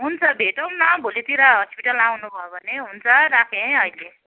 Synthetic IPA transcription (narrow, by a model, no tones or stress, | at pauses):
ɦunt͡sʰʌbʱeʈʌw̃nãbʱolit̪iɾʌɦʌspiʈʌlawnubʱʌjobʱʌneɦunt͡sʰʌɾakʰeʌile